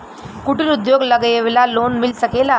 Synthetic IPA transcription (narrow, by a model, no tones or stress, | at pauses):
kuʈiɾud̪joɡləɡjeʋlalonmilsəkela